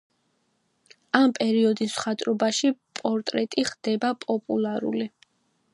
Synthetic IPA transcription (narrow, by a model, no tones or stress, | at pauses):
ampʼɛɾiɔd̪isχat̪ʼɾɔbaʃipʼɔɾt̪ʼɾɛt̪ʼiχd̪̥ɛbapʼɔpʼulˠaɾṵli